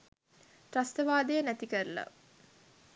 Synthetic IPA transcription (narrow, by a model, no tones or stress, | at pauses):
ɾast̪əʋaːd̪ejənæt̪ikəɾla̰